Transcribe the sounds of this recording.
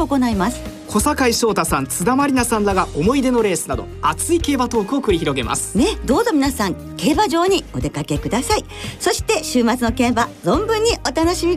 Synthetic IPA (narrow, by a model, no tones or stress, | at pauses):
oko̞naimasɨ̥ | kʰo̞sakaiɕo̞ːt̪asãnt͡sɨd̪amaɾʲinasãnd̪aɡaʔomo̞id̪e̞no̞ɾe̞ːsɨ̥nad̪o̞̰at͡sɨike̞ːbat̪o̞ːkɯ̟o̞kɯ̟ɾʲiçiɾo̞ɡe̞ma̰sɨ̥ne̞d̪o̞ːzo̞mʲinasãŋ | ke̞ːbaʑo̞ːɲ̟io̞d̪e̞kake̞kɯ̟d̪asai | so̞ɕi̥t̪e̞ɕɨːmat͡sɨnokẽ̞mbazõ̞mbɯ̟̃ɲ̟ːio̞t̪ano̞ɕimʲi